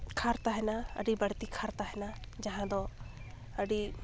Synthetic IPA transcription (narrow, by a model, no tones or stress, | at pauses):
kʰaɾt̪aɦɪnaɐ̰ɖibɐɽ̤t̪ikʰaɾt̪aɦɪnad͡ʒɐɦãd̪ɔ | ɐɽi